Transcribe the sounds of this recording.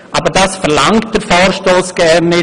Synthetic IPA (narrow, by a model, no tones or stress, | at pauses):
ʔɑbəɾdaːsfɛɾlaŋt̚d̥əɾfɔːɾʃtoːsɡ̥ɛɾnːɪ